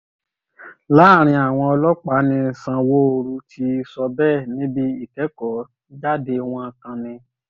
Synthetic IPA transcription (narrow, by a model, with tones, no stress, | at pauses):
la˨˦˨ɾ̃ĩ˧a˨w̃ɔ̃˧ɔ˧lɔ˦k͡pa˨˦nĩ˧˨sã˧wo˦o˧ɾu˧tʰi˧˦˧sɔ˧bɛ˦˨nĩ˨˦bi˦i˦˨tɛ˨˦kɔ˨˦ | d͡ʒa˦de˧w̃ɔ̃˧a˧kã˧nĩ˧